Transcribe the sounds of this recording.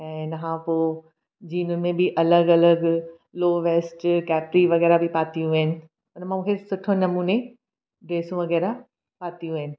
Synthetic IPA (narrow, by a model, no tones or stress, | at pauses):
ɛ̃ːnɐɦãpoː | d͡ʑiːnʊnɪmẽbʱɪʔɐləɡɐləɡ | loːʋeːsʈkɛːpɾiʋɐɣɛːɾabʱɪpaːt̪ijũaɦɪnɪ̆ | ʊnmãmũːkʰesʊʈʰonɐmuːne | ɖɾeːsũʋɐɣɛːɾa | paːt̪ijũəɦɪnɪ̆